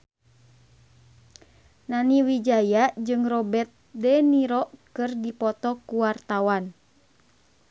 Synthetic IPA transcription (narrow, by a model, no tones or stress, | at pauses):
naniwid͡ʒajad͡ʒɨŋrɔbɛt̪̚dɛniɾɔʔkɨrdipɔt̪ɔkuwart̪awan